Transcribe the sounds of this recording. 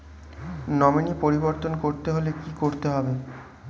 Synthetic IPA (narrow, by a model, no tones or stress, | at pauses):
nɔminipoɾiboɾt̪onkoɾt̪eɦolekikoɾt̪eɦɔbe